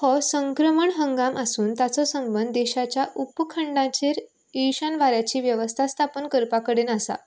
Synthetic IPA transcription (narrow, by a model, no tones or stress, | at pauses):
hɔsəŋkɾəməɳɦəŋɡaməsuːnt̪at͡sɔsəmbənd̪ːɛɕat͡ɕjaʔupkʰəɳɖãt͡ɕeɾ | iɕanʋaɾjat͡ɕiːʋjəʋəst̪ʰast̪ʰapənkəɾpakəɽeːnəsa̰